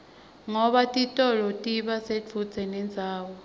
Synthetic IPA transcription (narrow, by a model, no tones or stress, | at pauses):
ŋɔɓatʼitʼɔlɔtʼiɓaset͡fʰut͡sʰɛnɛnd͡zʱaːwɔ